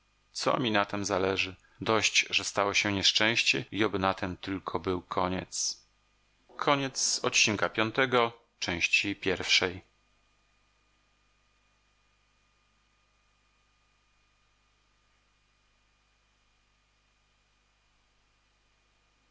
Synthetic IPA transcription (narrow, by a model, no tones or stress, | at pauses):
t̪sɔ̰mʲinat̪ɛmzalɛʐɘ | d̪ɔɕd͡ʑʐɛst̪awɔɕɛɲɛʂt͡ʂɛ̃w̃ɕt͡ɕɛiɔbɘnat̪ʰɛmt̪ɘlkʰɔbɘwkʰɔɲɛt̪s | kʰɔɲɛt̪sɔt̪t͡ɕinkapʲjɔnt̪ɛɡɔ | t͡ʂɛ̃w̃ɕt͡ɕipʲjɛɾfʂɛj